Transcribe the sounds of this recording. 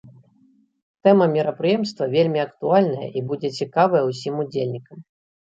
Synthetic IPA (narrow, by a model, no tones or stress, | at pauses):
t̪ɛmɐmʲiɾɐpɾɨjɛmst̪vɐvʲelʲmʲiɐkt̪ualʲnɐjɐ̰ʔibud͡zʲɛt͡sʲikavɐjɐwsʲimud͡zʲelʲnʲikɐm